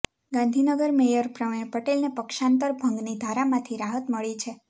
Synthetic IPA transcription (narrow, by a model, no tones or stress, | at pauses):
ɡãnd̪ʱinəɡəɾmejəɾpɾəmepəʈelnepəkʃãnt̪əɾbʱəŋɡnid̪ʱaɾamãt̪ʰiɾaɦət̪məɭit͡ʃʰe